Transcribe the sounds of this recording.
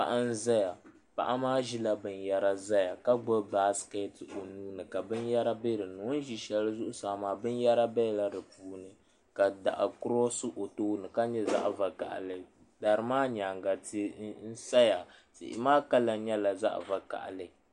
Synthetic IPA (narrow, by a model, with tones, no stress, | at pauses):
pa̰˨ʔa˦n̩˦za˦ja˨ | pa̰˦˨ʔa˦maː˦ʒi˦la˦bɨ˨nja˦ɾa˦za˦ja˨ka˦ɡ͡bɔ˦ba˦ske˦to˨nuː˦nɨ˨ka˨bɨ˦nja˦ɾa˦be˦ɾɨ˨nu˨˦ʒi˨ʃɛ˨lɨ˦zʊ˦ʔʊ˦saː˨maː˨bɨ˦n˦ja˦ɾa˦bɛ˦˨la˦dɨ˨puː˨˦nɨ˨ | ka˨da̰˨ʔa̰˨kʊ˦ɾɔ˦sɨ˦ʔo˨toː˦nɨ˨ka˦ɲɛ˦za̰˦ʔva˨ka̰˨ʔlɨ˨ | da˨ɾɨ˨maː˦ɲa˨ŋɡa˨ti˦n̩˦sa˦ja˨sɪ̰˨ʔɪ̰˨maː˦ka˦la˨ɲɛ˦la˨za̰˦ʔva˨ka̰˨ʔlɨ˨˦˨